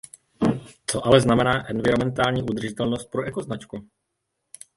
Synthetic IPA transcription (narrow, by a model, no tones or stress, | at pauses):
t͡so̞ʔalɛznamɛnaːʔɛnvɪɾomɛnt̪aːlɲiːʔud̪r̩ʒɪt̪ɛlno̞st̪̚pɾo̞ʔɛko̞znat͡ʃku